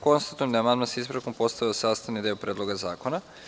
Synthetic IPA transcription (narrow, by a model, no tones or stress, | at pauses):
ko̞nst̪at̪ujemd̪amand̪masaizpɾako̞mpo̞st̪aʋiosaːst̪aʋnid̪iopɾeːd̪lˠo̞ɡazaːko̞na